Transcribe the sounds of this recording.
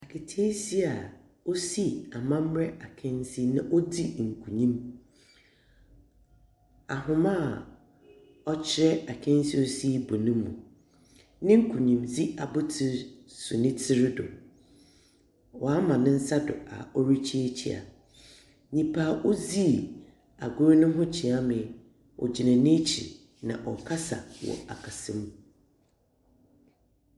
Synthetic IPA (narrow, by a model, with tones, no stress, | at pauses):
a˨kʰɪ˨tʰe˦si˦a˨ | o˦si˦a˨mã˦m̩˦ɾɛ˦a˨kʰɛ̃˦n˦si˦nã˦ʔo˦di˦ŋ̩˨kʰu˨ɲĩ˦m | a̰˨ɦʊ̃˨˦mã˦˨ | ɔ˦t͡ɕʰɪ˦ɾɛ˦a˨kʰɛ̃˦n˦si˦o˦si˦bʊ˨nɪ̃˦mṵ̃˨ | nɪ̃˦ŋ̩˦kʰu˨ɲĩ˨md͡zi˦a˨bʊ˦tʰɪ˦ɾsʊ˨nɪ̃˦tʰɪ˦ɾɪ˦dʊ̰˨ | wɔ˨a˦mã˨nɪ̃˦n̩˦sa˦dʊ̰˨a̰˨ɔ˦ɾi˦t͡ɕʰi˦e˦t͡ɕʰḭ˨a̰˨ | ɲĩ˨pʰaː˨ʔʊ˦zi˦˨ | a˨ɡʊ˦ɾnʊ̃˦ɦʊ̃˦t͡ɕʰi˨a˦mɪ̃˨ | ʔɔ̰˨d͡ʑi˨nã˨nɪ̃˦t͡ɕʰḭ˨ | nã̰˨ʔɔ˨kʰa˦sa̰˨wɔ̰˨a˨kʰa˨sɪ̃˦m˨